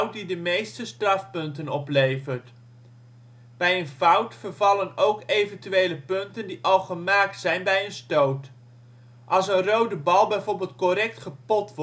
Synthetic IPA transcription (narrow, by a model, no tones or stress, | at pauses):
wt̚didəmejstəstrɑfpɵntənɔplejvəɹt | b̥ɛjənvʌwtfəɹvɑlənowkejvəntyejləpɵntəndiʔɑlˠχəmaːk̚tsɛjnbɛjənstowt | ʔɑlˠsənrowdəbɑlˠbɛjvoːɹbɪːlˠt̚kɔɾɛk̚tχəpɔtʋ